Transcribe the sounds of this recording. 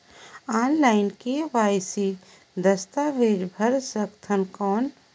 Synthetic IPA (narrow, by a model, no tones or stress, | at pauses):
aːnlaɪnkeʋajsi | d̪əst̪aʋeːɾbʱəɾsəkt̪ʰənkɔːn